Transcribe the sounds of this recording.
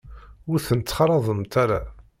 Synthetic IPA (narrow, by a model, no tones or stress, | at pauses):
ʊɾθənət͡s̪ːχɾˤɑðˤəmt̪ʰaɾa